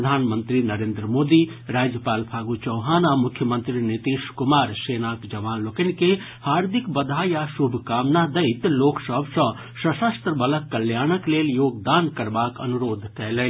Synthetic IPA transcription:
əd̪ʱanmənt̪ɾinəɾeːnd̪ɾəmod̪iɾad͡ʒjəpaːlpʰaɡut͡ʃəwɦaːnamukʰjəmənt̪ɾinit̪iʃkumaːɾsenakd͡ʒəʋaːnlokənike | haɾd̪ʱikbəd̪ʱajasubʱkaːmnad̪əɪt̪loksəbʱsə̃ | səsəst̪ɾəbələkːəljaːnəkleljoːɡ̚d̪ankəɾbakə̰nuɾoːd̪ʱkɛlɛ

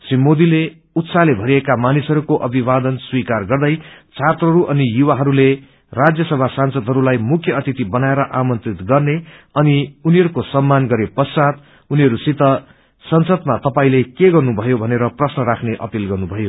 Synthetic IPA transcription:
simːod̪ile | ut̪salebʱʌɾiekamanisɦʌɾukoʔʌbʱibad̪ʌnswikarɡʌrd̪ʌjt͡sʰat̪rʌɾuʔʌnijuwaɦʌɾule | rad͡zjʌsʌbʱasansʌd̪ɦʌɾulajmukʰjʌʌt̪it̪ibʌnaeɾʌʔamʌnt̪rit̪ɡʌrneʌniuniɦʌɾukosʌmːanɡʌɾepʌsat̪ | uniɦʌɾusit̪ʌ | sʌnsʌd̪mat̪ʌpaĩlekeɡʌrnubʱʌjobʱʌneɾʌprʌsnʌɾakʰneʔʌ̰pilɡʌrnubʱʌjo

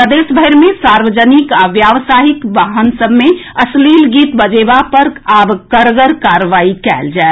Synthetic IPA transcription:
ɾəd̪esbʱəjɾmesaɾʋəd͡ʒənikaʋjaʋsaɦikʋaɦənsəbmeəslilɡiːt̪bəd͡ʒebapəɾabkəɾɡəɾkaɾʋaikɛ̰ld͡ʒae

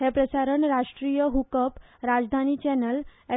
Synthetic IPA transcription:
ɦepɾəsaɾəɳɾaʂʈɾijəɦukəpɾad͡zd̪ʱanit͡ɕɛnəle

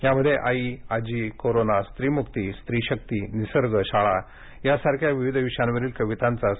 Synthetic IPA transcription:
ɦjaməd̪ʱːjeʔaiad͡ʑiːkoɾonast̪ɾiːmukt̪ist̪ɾiːɕək̚t̪inisəɾɡʱəɕaɭa | jasaɾkʰjaʋiʋid̪ʱʋiʂanʋəɾiːlkəʋit̪ant͡sa

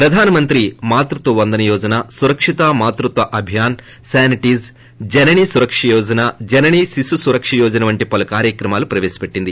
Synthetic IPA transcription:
pɾɐd̪ʱaːnɐmɐnt̪ɾimaːt̪ɾut̪ʋɐʋɐnd̪ɐnɐjɔːd͡ʒɐnasuɾɐkʂit̪aːmaːt̪ɾut̪ʋɐʔɐbʱjaːn | saːniʈiːz | d͡ʒɐnɐnisuɾɐkʂɐjɔːd͡ʒɐnad͡ʒɛnɐniːsisusuɾɐkʂɐjɔːd͡ʒɐnɐʋɐɳʈipɐlɐkaːɾjɐkɾɐmaːlupɾɐʋeːsi̥peʈːind̪i

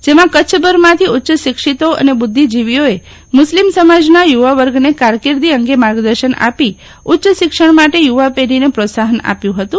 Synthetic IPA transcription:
d͡ʒemãkət͡ʃʰbəɾmãt̪ʰiʊtːʃəʃɪkʃit̪oə̰nebʊd̪ʱːid͡ʒiʋijoe | mʊslimsəmad͡ʒnajuʋaʋəɾɡnekaɾkiɾd̪iəŋɡemaɾɡd̪əɾʃəna̰pi | ʊtːʃəʃɪkʃəɳmaʈejuʋapeɾinepɾosaɦəna̰pjũɦət̪ũ

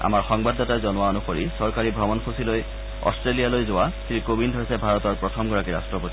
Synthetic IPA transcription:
a̰maɹxɔŋbadːatajzɔnʊwaonuxoɹisɔɹkaɹibʱɔmɔnxʰusiloj | ɔ̰stɹelialojzowasiɹikobindɦojsɛbʱaɹɔtɔɹpɹɔtʰɔmɡɔɹakiɹa̰stɹɔpoti

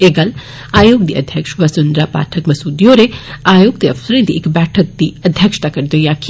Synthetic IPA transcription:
eːɡal | aːjoːɡ̚d̪iʔɐ̰d̪ʱjəkʂʋɐsund̪ɾapa̰ːʈʰəkmɐsuːd̪ijoɾeaːjoːɡ̚t̪eɐfsɾẽd̪iʔekbɛːʈʰək̚d̪iɐd̪ʱjəkʂt̪akɐɾd̪ojaːk

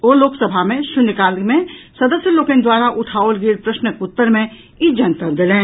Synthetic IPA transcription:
oːloːksəbʱamẽʃʊnɪkaːlmẽsɐd̪əsjəloːkẽnd̪waːɾaʔʊʈʰaːolɡɪɾpɾɐʃnəkʊt̪ːəɾmẽ | ɪd͡ʒɐnt̪əɾd̪ɪlẽː

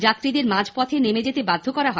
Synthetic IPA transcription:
d͡ʑat̪ːɾid̪eɾmãd͡ʑʱpɔt̪ʰenemed͡ʑet̪ebad̪ʱːokɔɾaɦɔ

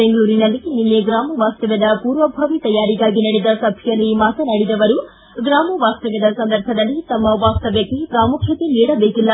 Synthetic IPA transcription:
beŋɡɐɭuːɾinɐlːininːeɡɾaːmɐʋaːst̪ɐʋɐd̪ɐpuːɾʋɐbʱɐʋit̪ɐjaːɾiɡaːɡinɐɽid̪ɐsɐbʱjjɐlːimaːt̪ɐnɐɽid̪ɐʋɐɾu | ɡɾaːmɐʋaːst̪ɐʋɐd̪ɐsɐnd̪ɐɾbʱɐd̪ɐlːit̪ɐmːɐʋaːst̪ɐʋjɐkːepɾaːmukʰjɐt̪iniːɽɐbeːkilːɐ

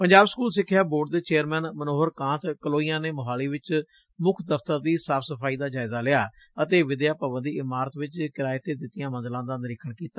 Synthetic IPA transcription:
pəɲd͡ʒaːbskuːlsɪkʰːjaːboːɖ̚d̪eːt͡ʃeːəɾmɛːnmənoːɦəɾkãːt̪kəloːijãːneːmʊɦaːliːʋɪt͡ʃ | mʊkʰd̪əpʰt̪əɾd̪iːsaːpʰsəpʰaːiːd̪aːd͡ʒaːɪzaːlɪaː | ət̪eːʋɪd̪jaːpəbənd̪iːʔɪmaːɾət̪ʋɪt͡ʃkɪɾaːɪt̪ːeːd̪ɪt̪ːijãːmə̃nzlãːd̪aːnɪɾɪkʰəɽkiːt̪ḁː

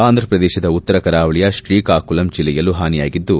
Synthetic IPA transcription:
aːnd̪ʱɾɐpɾɐd̪ɛːʃɐd̪ɐut̪ːɐɾɐkɐɾaːʋɐɭijɐʃɾiːkaːkulɐmt͡ʃilːɛjɐlːuɦaːnija̰ːɡid̪ːu

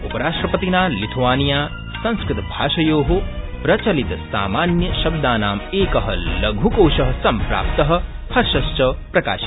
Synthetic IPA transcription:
upɐɾaːʃʈɾɐpɐt̪inaːlit̪ʰʋaːnijaː | sɐ̃nskɾɪt̪ɐbʱaːʃɐjoːɦo | pɾɐt͡ʃɐlit̪ɐsa̰ːmaːnjɐʃɐb̚d̪aːnaːmeːkɐɦɐlɐɡʱukowʃɐɦɐsɐmpɾa̰ːp̚t̪ɐɦɐ̆ | hʰɐɾʃɐst͡ʃɐpɾɐka̰ːʃi̥

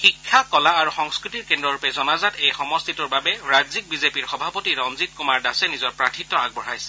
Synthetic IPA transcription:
xikʰːakɔlaːɹuxɔŋskɹitiɹkendɹɔɹupɛzɔnazatejxɔmɔst̪ʰituɹbabɛɹazik̚bizepiɹxɔbʱapɔtiɹɔmzit̚kumaɹdasɛnizɔɹpɹatʰitːɔaɡ̚bɔɹajsɛ̥

